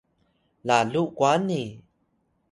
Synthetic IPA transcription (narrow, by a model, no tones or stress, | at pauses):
laɮukwani